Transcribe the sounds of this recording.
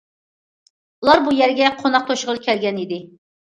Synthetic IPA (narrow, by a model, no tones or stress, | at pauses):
ulˠɑɾbujɛɾɡʲɛqʰonɑq̚t̪ʰoʃʁəlˠkʲʰɛlɡʲɛnid̪ɪ